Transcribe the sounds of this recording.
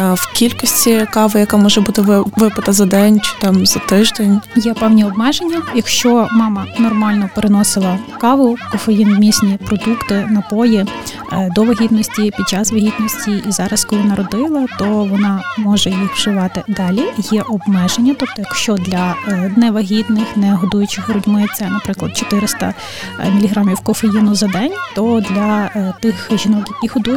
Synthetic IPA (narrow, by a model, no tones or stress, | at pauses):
wkʲilʲkɔsʲtʲikɑʋɪjɐkɑmɔʒɛbut̪ɪʋɪpɪt̪ɐzɐd̪ɛnʲt͡ʃɪ̥t̪ɑmzɐt̪ɪʒd̪enʲjɛpɛwnʲiɔbmɛʒenʲːɐjɐkʃt͡ʃɔmɑmɐnɔrmɑlʲnɔpeɾɪnɔsɪlˠɐkɑʋʊkɔfejinmʲisʲnʲipɾɔd̪ukt̪ɪnɐpɔji | d̪ɔʋɐɦʲit̪nɔsʲtʲipʲid̪̚t͡ʃɑsʋɐɦʲit̪nɔsʲtʲiʔizɑɾɐskɔlˠinɑɾɔd̪ɪlˠɐt̪ɔʋɔnɑmɔʒɛjixwʒɪʋɑt̪ɪd̪ɑlʲijɛʔɔbmɛʒenʲːɐt̪ɔp̚t̪ɔjɐkʃt͡ʃɔd̪lʲɐnɛʋɐɦʲid̪nɪxnɛɦɔd̪ujʊt͡ʃɪɦɔɾʊdʲmɪt͡sʲːɐnɐpɾɪklˠɐd̪̥̚t͡ʃɔ̥t̪ɪɾɪst̪ɐ̰ | mʲilʲiɦɾɑmʲiwkɔfejinʊzɐd̪ɛnʲt̪ɔd̪lʲɐt̪ɪxʒʲinɔkjɐkʲiɦɔd̪uj